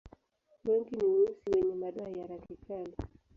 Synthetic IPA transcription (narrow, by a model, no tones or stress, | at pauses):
wɛŋɡiniuusiwɛɲɛmaɗaajaɾakikali